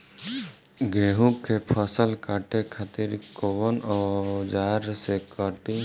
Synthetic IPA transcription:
ɡeːɦũkepʰəsəlkaːʈekʰat̪iɾkoʋənɔːd͡ʒaːɾsekəʈi

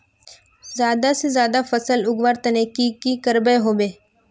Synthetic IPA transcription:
zjaːd̪asezjaːd̪afɐsəlʊɡʋaːɾt̪ɐnekikikəɾbəɦoːbeː

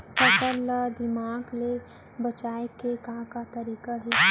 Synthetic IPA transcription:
pət̪ələd̪ɪmaːɡle | bət͡ʃaːekekãːkat̪ɐɾiːkaɦi

